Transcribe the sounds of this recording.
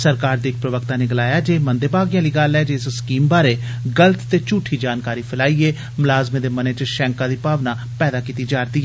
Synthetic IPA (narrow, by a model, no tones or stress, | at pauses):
səɾkaːɾd̪iːɪk̚pɾəʋəkt̪aːneːɡɪlaːjaːd͡ʒeːmənd̪eːbaːɡɪjãːliːɡəlɛːd͡ʒeːsskiːmbaːɾeː | ɡələt̪t̪eːt͡ʃuːʈʰːiːd͡ʒaːnkaːɾiːpʰɪlaːiːɛː | mʊlaːzmẽːd̪eːməneːt͡ʃəʃɛ̃ːŋkãːd̪iːpaːʋnaː | pɛːd̪aːkiːt̪iːd͡ʒaːɾt̪iːɦɛ